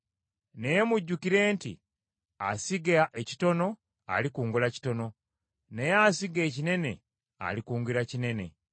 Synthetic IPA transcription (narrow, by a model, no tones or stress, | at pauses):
nejemuɟːukiɾe̞ːntḭ | a̰siɡaʔeci̥to̞no̞ | a̰likuːŋɡulaci̥to̞no̞ | nejasiɡe̞ːcine̞ne̞ | a̰likuːŋɡiɾacine̞ne̞̰